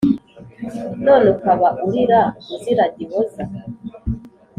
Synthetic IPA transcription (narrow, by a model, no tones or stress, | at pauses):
nolukaβaʔuɾiɾauziɾaɟiβoza